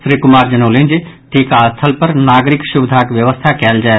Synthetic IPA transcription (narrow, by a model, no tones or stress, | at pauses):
ʃɾiːkʊmaːɾd͡ʒənoːlẽːnd͡ʒe | ʈʰiːkaːst̪ʰəlpɐɾnaːɡɾɪkʃʊbɪd̪ʱaːkʋjəʋəst̪ʰakɛːld͡ʒaːe